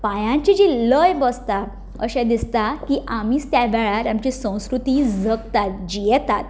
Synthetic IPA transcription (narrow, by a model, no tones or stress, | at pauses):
pajãɲt͡ɕid͡ʑiləjbəst̪a | əɕɛ̃d̪ist̪akiʔamiːst̪jaʋɛɭaɾamt͡ɕisə̃w̃skɾut̪id͡zəkt̪at̪̚d͡ʑijɛt̪at̪